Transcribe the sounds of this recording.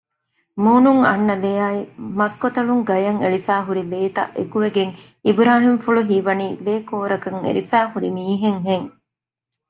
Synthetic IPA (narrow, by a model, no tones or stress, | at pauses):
muːnuŋɐ̰nːɐlejaːimɐskot̪ɐɭuŋɡɐjɐŋeɭifæːɦuɾileːt̪ɐ̰ʔḛkuʋeɡeŋ | ibɾaːɦimfuɭuɦiːʋɐniːleːkoːɾɐkɐŋḛlifæːhuɾimiːɦeŋɦeŋ